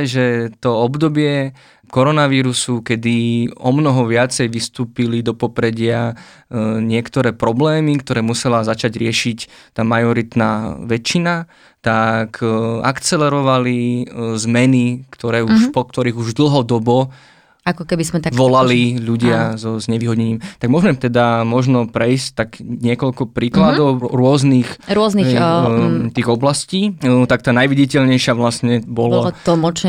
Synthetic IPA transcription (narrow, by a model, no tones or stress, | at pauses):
ʒɛt̪ɔɔbd̪ɔbɪɛ | kɔɾɔnaʋiːɾusukɛd̪iɔmnɔɦɔʋɪat͡sɛjʋist̪uːpilid̪ɔpɔpɾɛɟɪa | ɲɪɛkt̪ɔɾɛːpɾɔblɛːmikt̪ɔɾɛːmusɛlazat͡ʃaɟɾɪɛʃict̪aːmajɔɾit̪na̰ːʋɛt͡ʃːina | t̪akʰa̰kt͡sɛlɛɾɔʋalizmɛnikt̪ɔɾɛːuʃpɔk̚t̪ɔɾiːɣuʒd̪l̩ɦɔd̪ɔbɔ | akɔkɛbizmɛt̪aʋɔlaliʎuɟɪazɔzɲɛʋiːɦɔɟɲɛɲiːmt̪aɡmɔʒmɛt̪ɛd̪amɔʒnɔpɾɛjsct̪aɡɲɪɛkɔʎkɔpɾiːklad̪ɔʊɾʊɔzniːxɾʊɔzni | t̪iːɣɔblasciːt̪akt̪aːnajʋiɟicɛʎɲɛjʃɪaʋlasɲɛbɔlɔlˠmɔt͡ʃ